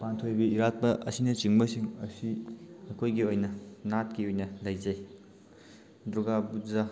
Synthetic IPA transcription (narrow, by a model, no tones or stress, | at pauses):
pantʰojbiiɾat̚pɐʔɐ̰sinɐt͡ʃiŋbɐsiŋɐsiɐkʰojɡiojnɐnat̚kiojnɐlɐjd͡ʒɐj | dɾuɡabud͡ʒa